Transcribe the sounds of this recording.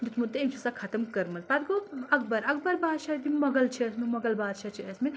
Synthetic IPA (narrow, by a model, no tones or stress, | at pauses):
d̪ut̪mut̪ːeimt͡ʃʰɐsakʰɐt̪əmkɐɾmɐlpad̪ɡoɐk̚bɐɾɐk̚bɐɾbaːd̪ʃad̪imɐɡɐlt͡ʃʰiəsmimɐɡɐlbaːd̪ʃat͡ʃʰiɐsmil